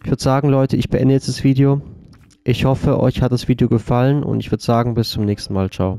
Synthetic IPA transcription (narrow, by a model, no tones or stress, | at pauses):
ʔɪçv̥ʏɐdəz̥aːɡŋ̩lɔʏtʰəɪçb̥əʔɛ̰ndəjɛt͡sd̥asv̥iːdeo | ʔɪçhɔfəʔɔ̰ʏçhat̚d̥asv̥iːdeoɡəfalənʊ̰ntɪçv̥ʏɐdəz̥aːɡŋ̩bɪst͡sʊmnɛːçstn̩maːlt͡ʃaʊ